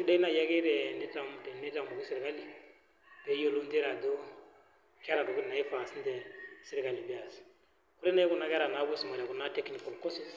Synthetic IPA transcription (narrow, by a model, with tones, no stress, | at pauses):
de˦i˦na˨ja˦ke˦dɛ˨ne˦tã˨mu˨tɛ˨ne˦tã˦ŋku˨ku˦si˨ɾi˨ka˦li˨ | b̥ɛ˦jo˦lu˦nte˦ɾa˨do˦ | kɛ˦ɾa˨do˨ku˦˨na˨je˦fa˨si˦ntɛ˨si˦ɾi˨ka˨li˨bi˦a˨si̥ | ko˦ɾe˦na˦je˦ku˦˨na˦kɛ˦ɾa˨na˨˦bo˦si˨ma˨la˨ku˨na˦tɛ˦kni˨kɔ˨lko˦si˨